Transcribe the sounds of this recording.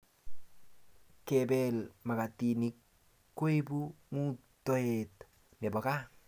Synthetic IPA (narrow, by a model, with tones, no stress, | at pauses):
kebɛlma˨ka˨tini˦kː | o˦e˦bu˦ŋu˦tːɔ˦et | nɛ˨bɔ˨ka˦